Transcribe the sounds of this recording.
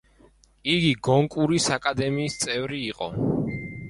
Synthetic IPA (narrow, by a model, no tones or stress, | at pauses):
iɡiɡɔŋkʼuɾisakʼad̪ɛmiːst̪sʼɛvɾiːqʼɔ̰